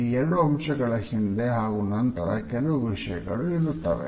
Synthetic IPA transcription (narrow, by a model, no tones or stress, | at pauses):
ieɾɽuɐmʂɐɡɐɭɐhind̪eɦaːɣunɐnt̪ɐɾɐ̰kɛluʋuʋiʂɐjɐ̰ɡɐ̰ɭuiɾut̪ːɐ̰ʋḛ